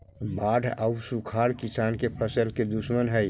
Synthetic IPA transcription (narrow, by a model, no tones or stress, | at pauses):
baːɖʱawsukʰaːɾkisaːnkepʰəsəlked̪usmənɦəj